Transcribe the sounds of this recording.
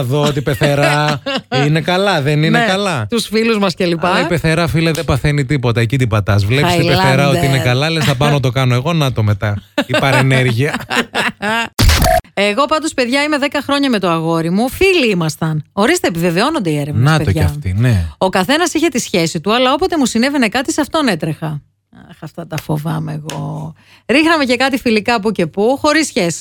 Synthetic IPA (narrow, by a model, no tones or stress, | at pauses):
ɐðoot̪ipe̞θe̞ɾɐ | inekɐlɐðeninekɐlɐt̪usfiluzmɐsce̞lipɐipe̞θe̞ɾɐfilɐðebɐθenit̪ipo̞t̪ɐecit̪ipɐt̪ɐzvlepɐsiilpeθeɾɐoiinekɐlɐlesθɐpɐnot̪o̞kɐnoeɣo̞nɐt̪omet̪ɐipɐɾeneɾʝiɐ | e̞ɣo̞pɐnd̪o̞speðʝɐime̞ðe̞kɐxɾo̞ɲɐme̞t̪o̞ɐɣo̞ɾimufiliimɐst̪ɐno̞ɾist̪eːpive̞ve̞o̞no̞nd̪eieɾevnsɐtpeoʝɐɐft̪ineo̞kɐθe̞nɐsiçe̞t̪isçe̞sit̪uɐlɐo̞po̞t̪e̞musine̞vene̞kɐt̪isɐft̪o̞ne̞t̪ɾexɐ | ɐxɐft̪ɐt̪ɐfovɐmeeɣo | ɾixnɐme̞ce̞kɐt̪ifilikɐpuce̞puxo̞ɾisçesi̥